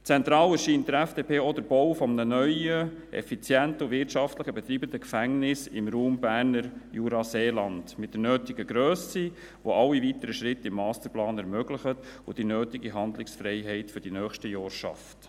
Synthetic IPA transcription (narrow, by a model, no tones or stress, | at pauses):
t͡sɛnt̪ɾɑːlɛɾʃintdəɾæfd̥eːpʰeːod̪əɾbɔwfɔmənənœʏəʔɛ̰fit͡sjɛntəʊvɪɾtt͡ʃɑftləχəbɛt̪ɾiːbənd̪əkfæŋnɪsɪmɾuːmbæːɾnəɾjuɾɑseːlɑndmɪt̚d̥̪əɾnøːtɪɡ̥əɡɾøːsi | ʋoʔɑlːivitəɾəʃɾɪtːɪmːɑːst̪əɾplɑːnɛɾmœɡlɪχətʊd̥inøːtɪɡiɦɑnd̪lɪksfɾɛɪɦɛɪtfʏɾd̥inœːχʃtəjɔːɾʃɑ̰ft